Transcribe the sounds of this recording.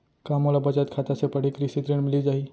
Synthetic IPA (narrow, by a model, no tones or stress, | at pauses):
kamolabəd͡ʒat̪kʰat̪asepəɽ̤ikɾisit̪ɾiɳmɪlid͡ʒaɦi